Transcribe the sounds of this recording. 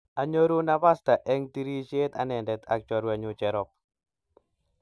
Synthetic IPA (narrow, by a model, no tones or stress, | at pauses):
ʔaɲoɾunapasd̪̥a̤ʔɛŋt̪iɾit͡ʃːt̪a̰nɛndɛt̪a̰k̚t͡ʃɔɾuaɲut͡ʃɛɾɔp̚